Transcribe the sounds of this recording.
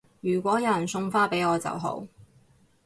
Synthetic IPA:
jyː˨˩kʷɔː˨˥jɐ˨˧jɐ˨˩nsʊ˧ŋfaː˥pe˨˥jɔː˨˧t͡sɐ̰˨wɦo̰˨˥w

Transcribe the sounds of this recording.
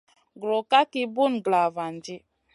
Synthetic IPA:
ɡɾo˨ka˦ki˦bu˦nɡla˨va˨n˨d͡ʒi˦

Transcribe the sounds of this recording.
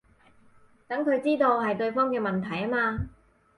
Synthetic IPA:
t̪ɐ˨˥ŋkʰɵ˨˧ɥt͡siː˥t̪o˧wɦɐ˨jt̪ɵ˧ɥfɔː˥ŋkɛː˧mɐ˨˩nt̪ʰɐ˨˩jɐ˥maː˧

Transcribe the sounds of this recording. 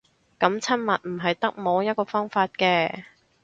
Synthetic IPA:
kɐ˨˧˥mt͡sʰɐ˥nmɐ˨t̚m̩˨˩ɦɐ˨jt̪ɐ˥k̚mo˨˧wjɐ˥t̚kɔː˧fɔː˥ŋfaː˧t̚kɛː˧

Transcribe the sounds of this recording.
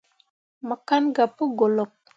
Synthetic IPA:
mə˨ka˦nɡa˨pə˦ɡo˨lo˨p̚

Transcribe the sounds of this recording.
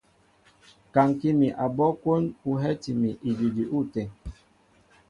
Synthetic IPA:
ka˨ŋki˦mi˨ʔa˨bɔ˦ko˦nu˨ɦɛ˦ti˨mi˨ʔi˨d͡ʒi˨d͡ʒi˨ʔu˦˨tɛ˨

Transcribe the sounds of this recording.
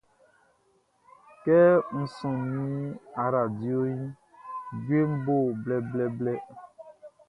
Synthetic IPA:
kɛ˦ŋ̩˨sɔ̃˨ñĩ˦a˨ɾa˨di˦o˦jĩ˦ | ɡe˦m̩˦bo˦˨blɛ˨blɛ˦blɛ˦

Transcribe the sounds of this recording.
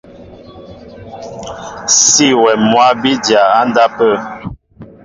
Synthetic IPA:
si˦˨wɛ˨mwa˦bi˦dja˨a˦n˦da˦pə˦˨

